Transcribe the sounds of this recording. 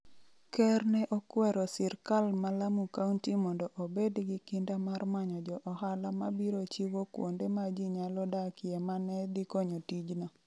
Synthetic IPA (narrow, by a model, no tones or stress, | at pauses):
kɛrnɛʔɔkwɛɾɔsɪrkalmalamukauntimɔndɔʔobedɡikindamarmaɲɔd͡ʒɔʔɔhalamabiɾot͡ʃiwokwo̰ndemad͡ʒiɲalɔdakɪɛmanɛd̪ikɔɲotid͡ʒna